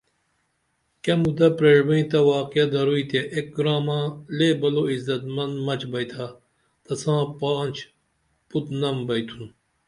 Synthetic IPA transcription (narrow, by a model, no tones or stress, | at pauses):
kɐmud̪ɐpɾeːɽbɐĩt̪ɐwaːqɐd̪ɐɾuit̪eʔek̚ɡɾaːmãːlebɐloizɐt̪mɐnd̪mɐt͡ɕbɐjt̪ʰa | t̪ɐsãːpaːnt͡ɕ | put̪nɐmbɐjt̪ʰun